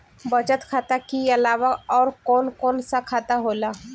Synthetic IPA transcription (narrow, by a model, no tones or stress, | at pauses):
bɐd͡ʒət̪kʰaːt̪akiɐlaːʋaɔːɾkɔːnkɔːnsakʰaːt̪aɦoːlaː